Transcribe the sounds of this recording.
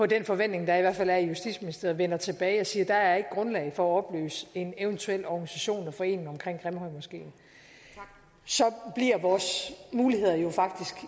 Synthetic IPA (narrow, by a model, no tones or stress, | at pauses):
pʰɒ̽d̥enfɒ̽ʋen̰d̥ne̝ŋd̥ɑ̈iʋæɐfælæɐijusd̥ḭdsminisd̥e̝ɐʋenɐt͡sʰe̝b̥ɛːɪɒ̽siːɐd̥ɑ̈æɐɐe̝ɡ̥əɡ̥ʁɔ̽nlɛ̰ɪfɒ̽æɒ̽b̥lø̰ːse̝neʊənt͡sʰuel̰ɒɡ̥nisæɕo̝̰ːnɒfɒ̽e̝̰ːneŋɒ̽mkʰʁeŋ̰ɡ̥ʁamhɒ̽ɪmɒsɡ̥e̝̰ːn | sɒ̽b̥liɐ̰ʋɒːsmuːlihe̝ð̞̰ˠɐjo̝fɑ̈ɡ̥̚d̥isɡ̥